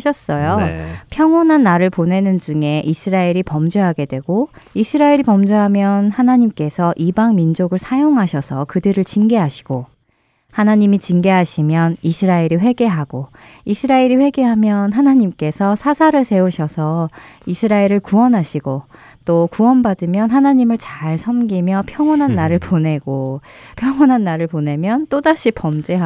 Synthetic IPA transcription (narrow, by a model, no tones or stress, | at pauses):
ɕʰʌs͈ʌjopʰjʌŋonɦanːaɾɯɭpone̞nɯnd͡ʑuŋe̞ʔisʰɯɾaeɾipʌmd͡ʑuɦaɡe̞dwe̞ɡo | isʰɯɾaiɾipʌmd͡ʑuɦamjʌnhanaɲimk͈e̞sʰʌʔibaŋmind͡ʑoɡɯɭsʰajoŋɦaɕʰʌsʰʌkɯdɯɾɯɭt͡ɕinɡe̞ɦaɕʰi̥ɡ̥o | hanaɲimit͡ɕiŋɡe̞ɦaɕʰimjʌnisʰɯɾaiɾiɸwe̞ɡe̞ɦaɡ̥o | isʰɯɾaeɾiɸwe̞ɡe̞ɦamjʌnɦanaɲimk͈e̞sʰʌsʰasʰaɾɯɭsʰe̞uɕʰʌsʰʌisʰɯɾaeɾɯɭkuwʌnɦaɕʰiɡo | t͈okuwʌnbadɯmjʌnɦanaɲimɯɭt͡ɕaɭsʰʌmɡimjʌpʰjʌŋwʌnɦanːaɾɯɭpone̞ɡ̥opʰjʌŋwʌnɦanːaɾɯɭpone̞mjʌnt͈odaɕʰipʌmd͡ʑe̞ɦ